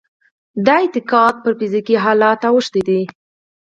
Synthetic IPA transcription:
d̪aɪt̪ɪkɑt̪̚pəɾfizikiɦɑlɑt̪awəʃt̪id̪i

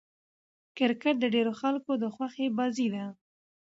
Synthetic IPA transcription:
kɪɾkaʈ̚d̪əɖeɾoxalkod̪əxwaxebɑzid̪a

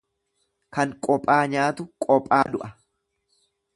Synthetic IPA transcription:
kɐŋkʼɔpʼːaːɲaːt̪ʊkʼɔpʼːaːd̪ʊʔɐ

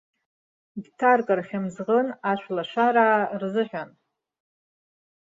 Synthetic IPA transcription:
ɡʲtʰarkʼarχʲɪmzʁənaʃʷlaʃʷaɾaːrzɨħʷᶣan

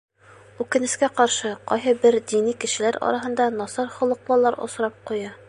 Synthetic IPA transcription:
ʉkɘ̆nɘ̆skæqɒɾʃɤqɒjɦɤbɘɾd̪inikɘ̆ʃɘ̆læɾɒ̰ɾʔɑɦɤ̆nd̪ɑnɒsɑɾχŏlˠɤ̆q̚lˠɑlˠːɑɾŏ̰sɾɑp̚qujɑ

